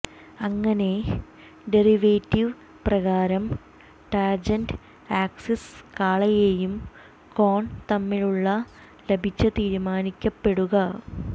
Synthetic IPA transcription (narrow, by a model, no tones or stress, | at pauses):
ɐŋːɐne̞ | ɖeriʋeːtːiʋ | prɐɣaːɾɐm | ʈaːd͡ʑɐnɖ | aːkseskaːɭɐjejum | koːɳt̪ɐmːiɻuɭːɐ | lebʱit͡ɕːɐt̪iːɾumaːnikʲːɐpːe̞ɽuɣɐ